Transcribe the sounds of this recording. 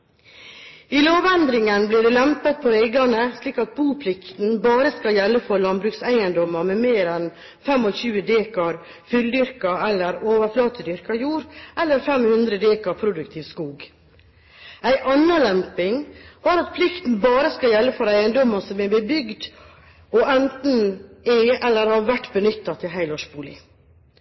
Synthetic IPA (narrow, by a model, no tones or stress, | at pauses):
iloːʋɛnd̪ɾɪŋənbliːɖɛlɛmpət̪̚pʰɔeɪɡɑnəsliːkɑt̪̚buːpʰlɪkt̪n̩bɑːɾəskɑljɛlːəfɔɾlɑnbɾʉːksæɪənd̪ɔməɾmɛmeːɾɛn | fɛmɔçʉːəd̪eːkɑɾ | fʏld̪ʏɾkɑɛlːəɾoːʋəɾflɑːt̪əd̪ʏɾkɑjuːɾʔɛlːəɾfɛmhʉnd̪ɾəd̪eːkɑpʰɾʊd̪ʉkt̪ʰɪːʋskuːɡ | æɪʔɑnːəlɛmpɪŋb̥ɑːɾɑt̪pʰlɪkt̪n̩bɑːɾəskɑjɛlːəfɔɾæɪənd̪ɔməsɔmɛbəbʏɡd̪ | ɔʔɛnt̪n̩ɛɛlːəɾhɑʋæʈːbənʏt̪ːɑt̪ʰɪlɦæɪlɔʃbuːlɪ̰